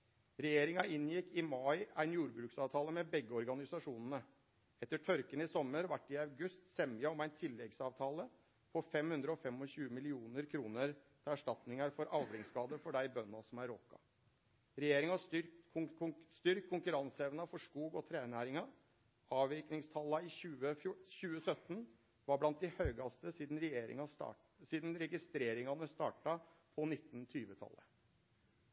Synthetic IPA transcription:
ɾɛjeːɾɪŋɑɪnːjɪkːɪmɑɪæɪnjuːɾbɾʉːksɑːʋt̪ʰɑːləmɛbɛɡːəɔɾɡɑnɪsɑʂuːnənə | ɛt̪ːəʈʰœɾkənəɪsɔmːəɾʋæʈːɪɑʉɡʉst̪sɛməɔmæɪnt̪ʰɪlːɛɡsɑːʋt̪ʰɑːlə | pʰɔfɛmhʉnd̪ɾəɔfɛmɔɕʉːəmɪlɪuːnəɾkʰɾuːnəɾt̪ʰɪæʂʈɑt̪nɪŋɑɾfɔɾʔɑʋɾɪŋskɑːd̪əɾfɔɖæɪbœnːɑsɔmæɾokːɑ̰ | ɾɛjeːɾɪŋɑsʏ | st̪ʏɾkʰːʊŋkʉɾɑnsəɛʋnɑfɔʂkuːɡɔt̪ʰɾeːnæːɾɪŋɑ | ɑːʋʋɪknɪŋst̪ʰɑlːɑɪɕʉːəfʊɕʉːəsœt̪n | ʋɑɾblɑnt̪̚d̪ɪhœʏɡɑst̪əsiːd̪n̩ɾɛjeːɾɪ̰ŋɑ̰ | siːd̪n̩ɾɛɡɪst̪ɾeːɾɪŋɑnəst̪ɑːʈɑpʰɔnɪt̪ːnt̪ʰyːʋət̪ʰɑ̰lːə̰

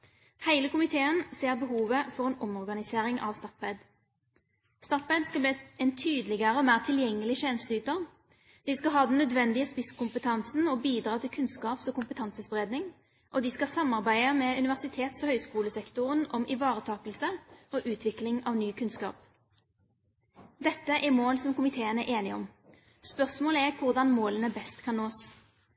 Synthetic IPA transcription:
hæɪləkʊmɪt̪ʰeːənseːʁbəɦuːʋəfɔʁɛːnʔɔmɔʁɡɑnɪseːʁɪŋɑ̰ʋst̪ɑt̪̚pɛd̪ | st̪ɑt̪̚pɛd̪skɑbliɛnt̪ʰyːd̪əlɪɡəɾəɔmæːʁt̪ʰɪljɛŋːəlɪçɛːnəst̪yːt̪əʁ | d̪̥ɪskɑɦɑːd̪ɛnːœd̪ʋɛnd̪ɪəspɪskʊmpət̪ʰɑnsn̩ɔbiːd̪ɾɑːt̪ʰɪlkʰʉnskɑːpsɔkʰʊmpət̪ʰɑnsəsbʁeːd̪nɪŋ | ʔɔd̪ɪskɑsɑmːɑʁbæɪəmɛʉnɪʋæʁsɪt̪ʰeːt̪sɔhœʏskuːləsɛkt̪ʊʁənɔmʔɪʋɑːʁət̪ʰɑːkəlsəɔʔʉːt̪ʰʋɪklɪŋɑʋnyːkʰʉnskɑ̰ːp | d̪ɛt̪ːəʔɛʁmoːlsɔmkʊmɪt̪ʰeːənæʔeːnɪɔm | spœʁsmoːləɛʁkʰʊʁd̪ɑnmoːlənəbɛst̪kʰɑnːoːs

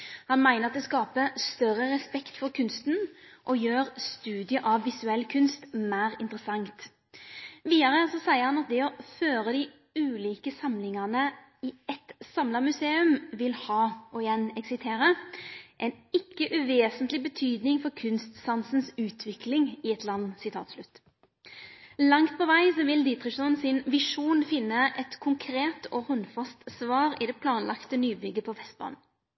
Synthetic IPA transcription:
hɑnmæɪnəʁɑt̪̚d̪ɛskɑːpəst̪œɾəɾɛspɛkt̪fɔɾkʰʉnst̪n̩ʔɔjøːɾst̪ʉːd̪ɪəʔɑʋːɪsʉɛlkʰʉnst̪mæːɾɪnt̪ʁəsɑŋt̪ | ʋiːd̪ɑɾəsɔsæɪəɾhɑnɑt̪̚d̪ɛɔføːɾəd̪ɪ | ʉːliːkəsɑmlɪŋɑnə | ɪɛt̪sɑmləmʉseːʉmʋɪlhɑːɔɪjɛnːɛksɪst̪ʰeːɾəʔɛnɪkːəʔʉʋeːsənt̪lɪbət̪ʰyːd̪nɪŋfɔɾkʰʉnst̪sɑnsn̩sʉːt̪ʰʋɪklɪŋɪɛt̪lɑnːsɪt̪ʰɑ̰ːt̪slʉt̪ː | lɑŋt̪̚pʰɔʋæɪsɔʋɪld̪iːt̪ʁɪʃɔnsɪnʋɪʂuːnfɪnːəʔɛt̪kʰʊŋkʰɾeːt̪ʰɔhɔnfɑst̪sʋɑːʁɪd̪ɛpʰlɑːnlʔɑ̰kt̪ənyːbʏɡəpʰɔfɛst̪̚bɑ̰ːnn̩

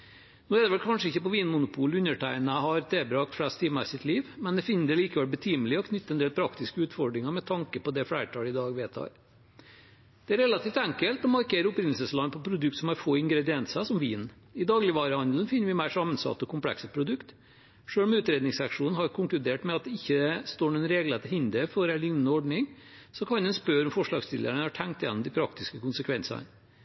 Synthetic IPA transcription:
noːɛd̪ɛʋɛlkʰɑnʂəɪçːəpɔʋiːnmʊnʊpʰuːlʉnəʈʰæɪnəɦɑɾt̪ʰeːbɾɑːkt̪fɽæst̪ʰiːməsɪt̪liːʋmɛnd̪ɛfɪnːəd̪ɛliːkəʋɛlbət̪ʰiːmlɪɔkʰnʏt̪ːəɛnd̪eːlpʰɾɑkt̪ɪskəʉːt̪fɔɖɾɪŋəɾmɛt̪ʰɑŋkəpɔd̪ɛflæɪəʈʰɑːlɪd̪ɑːɡʋæt̪ʰɑ̰ːɾ | d̪̥ɛæɾɛlɑt̪ʰiːft̪æŋkəlt̪ɔmɑɾkʰeːɾəʊpɾɪnl̩səslɑnpʰɔpʰɾʊd̪ʉkt̪sɔmhɑɾfoːɪŋɡɾɛd̪ɪɛnt̪səsɔmʋiːn | ɪd̪ɑːɡlɪʋɑːɾəhɑnd̪l̩nfɪnːəɾʋɪmæɪʂɑmːənsɑ̰t̪ːɔkʰʊmpʰlɛ̰ksəpʰɾʊd̪ʉkt̪ | ʂøːlmʉːt̪ɾeːd̪nɪŋsɑkʂuːn̩hɑɾkʰʊŋklʉd̪eːʈmɛɑt̪̚ɛɪçːəst̪oːɳuɛnɾeːɡlət̪əhɪnd̪əfɔɾælʏŋnənəɔɖɳɪŋsɔkʰɑnd̪ɛnspœɾɔmfɔʂɭɑ̰ːɡst̪ʰɪlə̰ɳəhɑʈʰæŋkt̪jɛ̰nːɔmd̪ɪpʰɾɑk̚t̪ɪskəkʊnsəkʰʋɛnsɑ̰

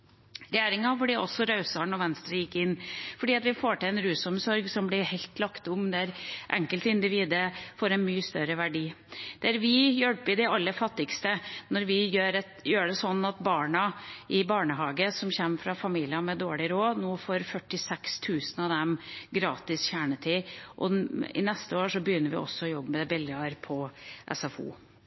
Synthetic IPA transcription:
ɾɛjeːɾɪŋɑfɔɖiːʔɔsɔɾɑʉsɑɳɔʋɛnst̪ɾəjɪkːɪnːfɔɖiːɑt̪ʋɪfoːʈɪlɛnɾʉːsɔmsɔɾɡsɔmblɪhɛɪlt̪lɑkt̪ʊmd̪ɛæɾʔæ̰ŋkəlt̪ɪnd̪ɪʋiːd̪əfoːɾɛnmyːəst̪œɾəʋæɖiːd̪̥ɛæɾʋɪjœɽpɪd̪ɛɑlːəfɑt̪ːɪkst̪ənɔɾʋɪjøːɾɛt̪jøːɖɛsɔnːɑt̪bɑːɳɑʔɪbɑːɳəɦɑːɡəsɔmçɛmːfɾɑfɑmiːlɪɑmɛd̪oːɭɪɾoːnɔːfɔɾfœʈːɪsɛkst̪ʰʉːsən̩ɑʋd̪ɛmɡɾɑːt̪ɪsçæːɳət̪ʰɪʔɔ̰ɪ̰nɛst̪əoːʂɔbəjʏnːəɾʋɪ̰ʔɔ̰sːɔɔjɔbːmɛbɪljɑɾpʰɔʔɛ̰sɑfṵː

